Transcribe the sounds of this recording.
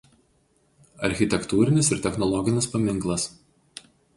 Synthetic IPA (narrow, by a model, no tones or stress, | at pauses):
ɐɾʲxʲɪt̪ʲɛkt̪uːɾʲɪnʲɪsɪɾt̪ʲɛxnɔlˠɔɡʲɪnʲɪspɐmʲɪŋˑklˠɐs